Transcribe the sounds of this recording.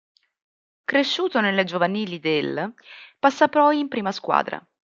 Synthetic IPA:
kɾeʃːuːt̪onelːed͡ʒovaniːlid̪elpasːapːɾɔjimpɾiːmaskwa̰ːd̪ɾa̰

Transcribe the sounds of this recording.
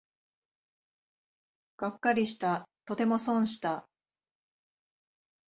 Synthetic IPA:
ɡ̥akːaɾʲiɕi̥t̪at̪o̞t̪e̞mo̞sõ̞ɰ̃ɕi̥t̪a

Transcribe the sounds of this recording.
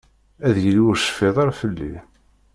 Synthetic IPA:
æðjəlwʊɾsə̥feðˤɑɾfəlːḭ

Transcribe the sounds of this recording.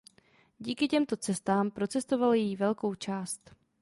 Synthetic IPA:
ɟiːkɪcɛmt̪o̞t͡sɛst̪aːmpɾo̞t͡sɛst̪o̞valjjivɛlko̞wt͡ʃaːst̪

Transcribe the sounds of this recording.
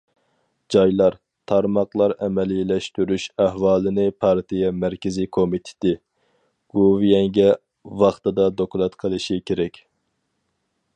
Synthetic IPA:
d͡ʒɑjlˠɑɾ | t̪ʰɑɾmɑqlˠɑɾɛmɛlilɛʃt̪yɾyʃæhwɑːlˠɨnɪpʰɑɾt̪ʰijɛmæɾkʲɪzikʰomit̪ʰɪ̥t̪ɪ | ɡ̥ovijɛŋɡʲɛ | wɑχt̪ɨd̪ɑd̪okulˠɑt̪qʰəlˠɨʃikʲʰeɾɛkʲ

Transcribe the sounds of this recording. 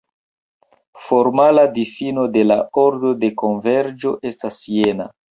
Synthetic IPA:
fo̞ɾmaladifino̞de̞lao̞ɾdo̞de̞ko̞nve̞ɾd͡ʒo̞ʔe̞stasijena

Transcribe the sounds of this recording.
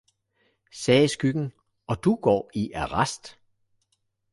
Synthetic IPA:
sɛːsɡ̥yɡ̥n̩ | ɒ̽d̥uɡ̥ɒ̰ːiʔæʁɑsd̥

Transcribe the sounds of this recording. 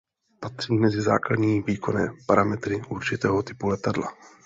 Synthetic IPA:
pat̪r̥iːmɛzɪza̰ːkladɲiːviːkʰo̞nɛːpaɾamɛt̪ɾɪʔuɾt͡ʃɪt̪ɛːɦot̪ɪpulɛt̪adla

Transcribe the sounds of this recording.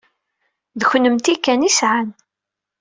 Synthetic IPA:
ðəçnəmt̪ikːænisʕan

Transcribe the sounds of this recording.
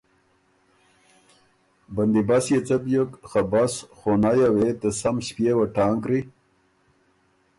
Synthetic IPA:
bɐnd̪ibasjet͡səpjəkxabasχonajawet̪esamɕpjewaʈaːŋkɾi

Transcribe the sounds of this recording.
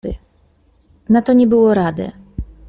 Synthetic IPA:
nat̪ɔɲɛbɘwɔɾad̪ɘ̰

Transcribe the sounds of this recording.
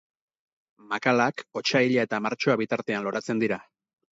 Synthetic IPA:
makalako̞t͡ʃaiʎae̞t̪amaɾt͡ʃo̞aβit̪aɾt̪e̞anlo̞ɾat͡se̞nd̪iɾa

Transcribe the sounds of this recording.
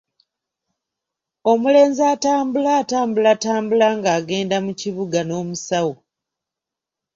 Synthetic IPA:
o̞mule̞ːnzaːtaːmbulaːtaːmbulataːmbulaŋɡaːɡe̞ːndamuciβuɡano̞ːmusawo

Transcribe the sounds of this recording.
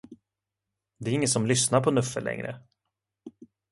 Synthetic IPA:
d̪ɛæɾɪŋːət̪sɔmlʏsnaɾpʰɔnɵfːəlʔɛ̰ŋɾə̰

